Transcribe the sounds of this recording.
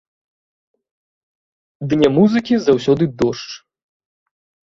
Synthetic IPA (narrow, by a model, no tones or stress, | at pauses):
d̪nʲɛmuzɨkʲizawsʲɔd̪ɨd̪ɔʂt͡ʂ